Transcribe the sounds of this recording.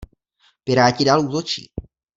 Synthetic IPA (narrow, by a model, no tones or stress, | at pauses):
pɪɾaːcɪdaːluːt̪ot͡ʃḭː